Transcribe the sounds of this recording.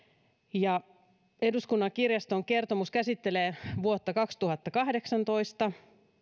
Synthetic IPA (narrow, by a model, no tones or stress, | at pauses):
jɑ | e̞duskunːɑŋkirjɑst̪oŋke̞rt̪omuskæsit̪ːeleːʋuot̪ːɑkɑkst̪uhɑt̪ːɑkɑhde̞ksɑnt̪oist̪ɑ